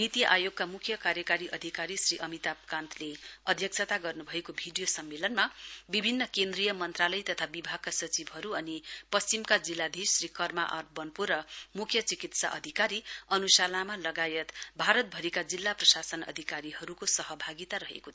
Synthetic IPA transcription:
nit̪ijʔajoɡ̚kamukʰjʌkaɾjʌkaɾiʔʌd̪ʱikaɾisriʔʌmit̪ap̚kãnt̪ʰleʌd̪ʱjʌk̚sʰʌt̪aɡʌrnubʱʌekobʱiɖijosʌmːelʌnmabibʱinːʌkend̪rijʌmʌnt̪ralʌjt̪ʌt̪ʰabibʱaɡ̚kasʌt͡sibʱɦʌɾuʌnipʌst͡simkad͡zilːad̪ʱisrikʌrmaʔʌ̰rbʌnpuɾʌmukʰjʌt͡sikit̪sa̰ʔʌ̰d̪ʱikaɾiʌnusalamalʌɡajʌt̪bʱaɾʌt̪̚bʱʌɾikad͡zilːaprʌsasʌnʌ̰d̪ʱikaɾiɦʌɾukosʌɦʌbʱaɡit̪aɾʌɦḛkot̪ʰ

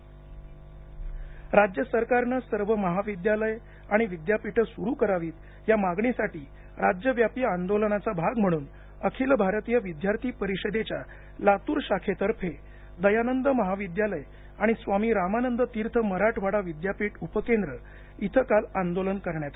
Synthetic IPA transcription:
ɾad͡ʑjəsəɾkaɾnəsəɾʋəməɦaʋid̪jaləj | aɽ̃iʋid̪japiʈʰəsuɾukəɾaʋiːt̪ | jamaɡɳisaʈiː | ɾad͡ʑjəʋjapijəand̪olənat͡sabʱaɡm̤əɽ̃uːn | əkʰilbʱaɾt̪ijəʋid̪jaɾt̪ʰiːpəɾiɕəd̪et͡ɕja | lat̪uːɾɕakʰet̪əɾpʰe | d̪əjanənd̪əməɦaʋid̪jaləj | aɽ̃isʋamiːɾamanənd̪ət̪iːɾt̪ʰəməɾaʈʰʋaɽaʋid̪japiːʈupəkend̪ɾə | it̪ʰəkaland̪olənkəɾɳjat̪

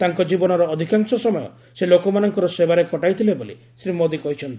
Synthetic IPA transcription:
t̪aŋkɔd͡ʒibɔnɔɾɔːd̪ʱikaŋsɔsɔmɔjɔ̰ | selokɔmanɔŋkɔɾɔsebaɾekɔʈajt̪ʰileboli | sɾimod̪ikɔɦit͡ʃʰɔnt̪i̥

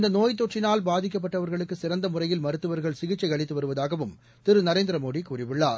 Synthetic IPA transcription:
ɪnd̪ɐnoːjt̪̬ːoʈrɪnaːlbaːðɪk̬ːɐp̬ːɐʈːɐʋɐɾɣɐɭɯkːɯsɪɾɐnd̪ɐmʊrɐjɪlmɐɾɯt̪ːɯʋɐɾɣɐɭsɪɣɪt͡ʃːɐɪɐɭɪt̪ːɯʋɐɾɯʋɐðaːɣɐʋɯm | t̪ɪɾɯnɐɾeːnd̪ɪɾɐmoːɽikuːrɪʋɪɭːaːɾ

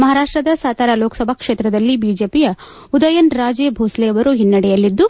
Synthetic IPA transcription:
mɐɦaːɾaːʂʈɾɐd̪ɐsaːt̪aːɾaloːkɐ̥sɐbʱɐkʂeːt̪ɾɐd̪ɐlːibiːd͡ʒeːpijɐ | ud̪ɐjɐnɾaːd͡ʒeːbʱoːsleɐʋɐɾuɦinːɐɽɛjɐlːid̪ːu

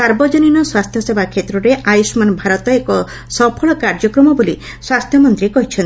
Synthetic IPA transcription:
saɾbɔd͡ʒɔninɔswast̪ʰjɔsebʱakʰet̪ɾɔɾeʔajusmanbʱaɾɔt̪ɔekɔ | sɔpʰɔɭɔkaɾd͡ʒɔkɾɔmɔbuli | swast̪ʰjɔmɔnt̪ɾikɔɦit͡ʃʰɔn

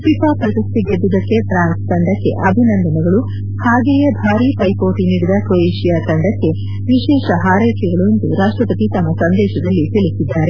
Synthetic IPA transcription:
pipaːpɾɐsɐst̪iɡed̪ːud̪ɐkːe̞ʈɾaːnst̪ɐɳɖɐkːe̞̰ʔɐbʱinɐnd̪ɐnɐɡɐɭu | haːɡɛːjɐbʱaːɾiːpɐjpoːʈiniːɽid̪ɐkɾoeːʃijaːt̪ɐɳɖɐkːe̞ | ʋiʃɛːʃɐɦaːɾɐjkɛɡɐɭuend̪uɾaːʂʈɾɐpɐt̪it̪ɐmːɐsɐnd̪ɛːʃɐd̪ɐlːit̪ilisid̪ːaːɾe̞

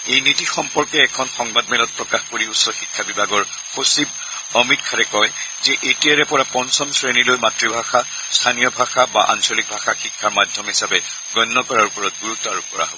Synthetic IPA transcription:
ejnitixɔmpɔɹkɛːkʰɔnxɔŋbadmɛlɔt̚pɹɔkaxkoɹiutsɔxikʰːabibʱaɡɔɹ | xosib | ɔmitkʰaɹɛkɔjzɛʔetijaɹɛpɔɹapɔnsɔmsɹenilojmatɹibʱaxa | stʰanijɔbʱaxaba̰ʔa̰nsɔlik̚bʱaxaxikʰːaɹmadʱjɔmɦisabɛ | ɡɔnːɔkɔɹaɹupɔɹɔt̚ɡuɹutɔaɹukɔɹa̰ɦobɔ

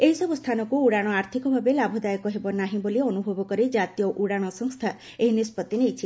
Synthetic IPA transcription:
eɦisɔbust̪ʰanɔkuuɽaɽ̃ɔaɾt̪ʰikɔbʱabelabʱɔd̪ajɔkɔɦebɔnaɦĩboliɔnubʱɔbɔkɔɾid͡ʒat̪ijɔʔuɽaɽ̃ɔsɔŋst̪ʰa | eɦinispɔt̪ːinejt͡ʃʰi

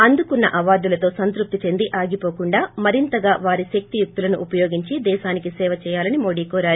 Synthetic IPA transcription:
ɐnd̪ukunːɐ̰ʔɐʋaːɾd̪ulɐt̪o̞ːsɐnt̪ɾup̚t̪it͡ʃend̪iʔaːɡipo̞ːkuɳɖaːmɐɾint̪ɐɡaːʋaːɾiʃɐk̚t̪ijuk̚t̪ulɐnuʔːpɐjoːɡiɲt͡ʃid̪ɛːʃaːnikisɛːʋɐt͡ʃɛːjaːlɐnimoːɽiːkɔːɾaːɾi

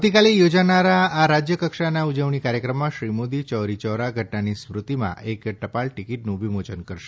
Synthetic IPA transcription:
t̪ikalijod͡ʒanaɾaːɾad͡ʒjəkəkʃanaud͡ʒəʋɳikaɾjəkɾəmːãʃɾimod̪it͡ʃɔɾit͡ʃɔɾaɡʱəʈnanismɾut̪imã̰ʔekʈəpaɭʈikiʈnũʋimot͡ʃənkəɾʃe̥

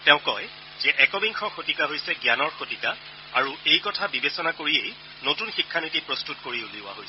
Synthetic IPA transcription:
tɛʊ̃kɔj | z̥ɛʔɛkɔmiŋxʰɔxotikaɦojsɛɡjanɔɹxotika | aɹuejkɔtʰabibesɔnakoɹiej | notunxikʰːanitipɹɔstutkoɹiuliʊwa̰ɦojsɛ̥

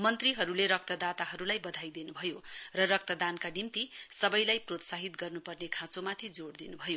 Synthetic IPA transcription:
mʌnt̪riɦʌɾuleɾʌk̚t̪ʌd̪at̪aɦʌɾulajbʌd̪ʱajd̪inubʱʌjorʌrʌk̚t̪ʌd̪ankanimt̪isʌbʌjlajprot̪saɦit̪ɡʌrnupʌrnekʰãt͡somat̪ʰid͡zoɽd̪inubʱʌjo

